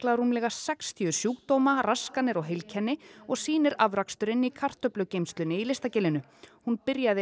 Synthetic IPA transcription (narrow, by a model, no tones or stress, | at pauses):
klaɾuːmlɛɣasɛkst̪ʰiʏ̥sjuːkt̪oːwmaraskanɪɾɔɣɦejlcʰɛnːɪɔɣsiːnɪɾavɾakst̪ʏɾɪnːikʰar̥t̪œplʏcejmst̪lʏnɪilɪst̪acɪlɪnʏ | hunpɪɾjaðɪ